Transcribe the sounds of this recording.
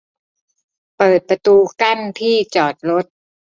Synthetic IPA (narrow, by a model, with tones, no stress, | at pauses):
pɤː˨˩t̪̚pɾa˧t̪uː˧ka˥˩nt̪ʰiː˥˩t͡ɕɔː˨˩t̪̚ɾo˦˥t̪̚